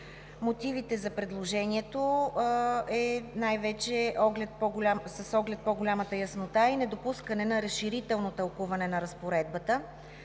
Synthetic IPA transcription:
mot̪ivit̪ɛzɐpɾɛd̪lˠoʒɛniɛt̪o | ɛnajvɛt͡ʃɛʔɔɡlɛt̪̚pɔɡolʲamsɐsɔɡlɛt̪̚pɔɡolʲamət̪əjɐsnot̪ainɛd̪opuskənɛnɐɾəsʃiɾit̪ɛlˠnot̪ɐlˠkuvɐnɛnɐɾəspoɾɛd̪̚bət̪ə

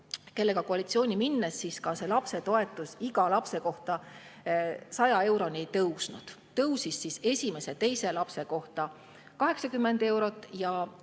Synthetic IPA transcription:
ke̞lːe̞ɡɑkoɑlit̪sio̞ːnʲiminːesːiskɑse̞lɑpse̞t̪o̞e̞t̪ːˑusiɡɑlɑpse̞ko̞ht̪ɑ | sɑjɑe̞wɾo̞nie̞jt̪ɤwsnud̪̥ | t̪ɤwsisːise̞sʲime̞se̞t̪e̞jselɑpse̞ko̞ht̪ɑ | kɑɦe̞ksɑkymːe̞nd̪̥e̞wɾo̞t̪ˑːjɑ

